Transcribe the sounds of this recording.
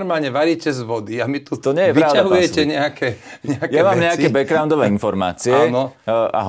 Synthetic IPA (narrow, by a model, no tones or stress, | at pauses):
ɾmaːlɲɛʋaɾiːcɛzʋɔd̪iamit̪ut̪ɔɲɛjɛʋpɾaʊaɦujɛcɛɲɛakɛɲɛakjɛamaːmɲɛaɛbɛɡɾaʊnd̪ɔʋɛːinfɔɾma̰ːt͡siɛanɔa̰ɦ